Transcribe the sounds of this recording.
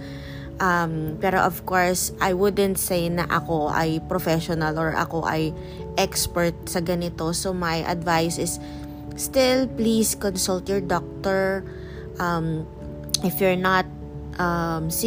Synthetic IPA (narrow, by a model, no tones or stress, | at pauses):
ʔɐmpɛːɾo̰ʔɔvkoɹsʔajwʊd̪ɛ̃nt̪̚sejnɐ̰ʔɐko̞ʔɐ̰jpɾɔfɛʃɔnɐlɔɹʔɐ̰ko̞ʔɐ̰j | ʔɛkspɛɹt̪̚sɐɡɐnɪt̪o̞somɐjʔɐ̰d̪vajsɪsː | t̪ɪlpliskɔnsʊlt̪jɔɹd̪ɔk̚t̪ɔɹ | ʔɐm | ʔɪfjʊɹnɐt̪̚ | ʔɐms